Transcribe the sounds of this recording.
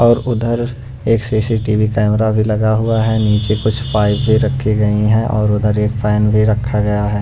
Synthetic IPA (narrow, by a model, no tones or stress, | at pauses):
ɔːɾʊd̪ʱəɾ | eːksiːsiʈiːʋikɛːmɾabʱilɐɡaɦʊaɦɛniːt͡ʃekʊt͡ʃʰfaːɪbbʱiɾɐkʰːiɡɐiɦɛ̃ʔɔːɾʊd̪ʱəɾeːkpʰɛːnbʱiɾɐkʰːaɡɐjaɦɛː